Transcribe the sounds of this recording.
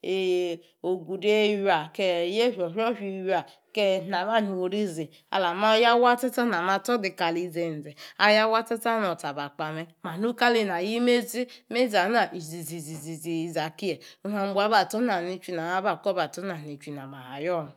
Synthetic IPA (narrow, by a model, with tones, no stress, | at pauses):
e˨ | o˨ɡu˨de˦ju˦a˨ke˦˨je˦ɦʲo˨ɦo˦ɦi˨ja˨ | ke˦˨na˨ba˦˨nu˨o˨ɾi˦zi˨ | a̰˨la˨ma˦ja˦wa˦te˦ta˦n˨a˨ma˨tɔ˦di˨ka˨li˨ze˨n̩˨ze˨a˦ja˦wa˦te˦ta˦no˨ta˨ba˨k͡pa˨me˦ma˨nu˦ka˦li˦na˨ji˦me˦zi˦me˦za˨˦na˨ʔi˨zi˨zi˨zi˨zi˨zi˨i˨za˨ki˦e˨u˦na˨m˦bʷa˨˦ba˨to˦n˦a˨ni˦t͡ʃi˦na˨a˦ba˨kɔ˦ba˨to˦na˨ni˨t͡ʃʷi˨na˨ma˨ha˨jɔ˦˨n˨